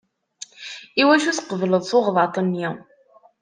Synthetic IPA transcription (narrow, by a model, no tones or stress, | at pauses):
iwæʃuθqəvləðˤθoʁðˤɑt̪ˤənji